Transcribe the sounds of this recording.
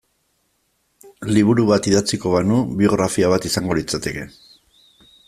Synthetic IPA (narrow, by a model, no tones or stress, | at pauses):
liβ̞uɾuβat̪iðat͡siko̞βanuβio̞ɣ̞ɾafiaβat̪isaŋɡo̞lit͡sat̪e̞ke̞